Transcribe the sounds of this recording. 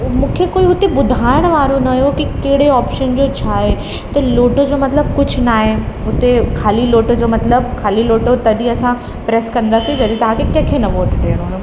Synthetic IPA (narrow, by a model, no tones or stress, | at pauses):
mũːkʰekoːiɦʊt̪ebʊd̪ʱaːɪɽ̃ʋaːɾonɐjokikɐɦɪɽeɔːpʃənd͡ʑoːt͡ɕʰaːɦe | t̪ɐloːʈod͡ʑoːmɐt̪ləb̚kʊd͡ʑʱʊ̆naːɦeɦʊt̪ekʰaːliloːʈod͡ʑoːmɐt̪ləbkʰaːliloːʈot̪ɐɗiɐsã | pɾeːskɐ̃nd̪aːsĩd͡ʑɐd̪it̪ɐʋ̤ãkʰekɐ̃kʰenɐʋoːʈɖeːəɽ̃oːno